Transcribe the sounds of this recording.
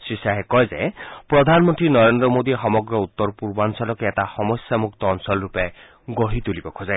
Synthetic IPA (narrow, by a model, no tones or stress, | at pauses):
sisaɦekɔjd͡ʒepɾɔd̪ʱanmɔnt̪ɾinɔɾend̪ɾɔmod̪ixɔmɔɡɾɔut̪ːɔɾɔpuɾbansɔlɔkeetaxɔmɔsjamuk̚t̪ɔːnsɔlɾupe | ɡoɦit̪ulibɔkʰozae